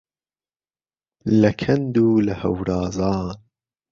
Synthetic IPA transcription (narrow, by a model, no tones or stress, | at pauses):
lɐkʰɐnd̪uːlɐhɐ̰wɾɑːzɑːn